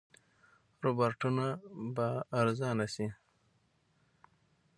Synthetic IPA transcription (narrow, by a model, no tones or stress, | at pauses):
ɾobaɾʈunabaːɾzɑːnasi